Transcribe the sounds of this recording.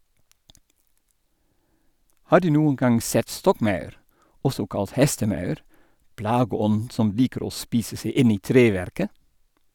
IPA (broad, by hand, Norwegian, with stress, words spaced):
ˈhɑː ˈdʉː ˈnuːəŋ ˈɡɑŋ ˈsɛt ˈstɔkˌmɑʉɾ ˈɔsɔ ˈkɑlt ˈhɛstəˌmɑʉɾ ˈplɑːɡəˌɔnn̩ ˈsɔm ˈliːkəɾ ˈoː ˈspiːsə ˈseɪ ˈɪn ˈiː ˈtɾeːˌʋɛɾkə